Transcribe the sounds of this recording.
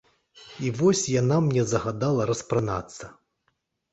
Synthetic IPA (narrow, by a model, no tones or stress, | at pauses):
ivɔsʲjanamnʲɛzɐɣad̪alˠɐɾɐspɾana̰t̪sːɐ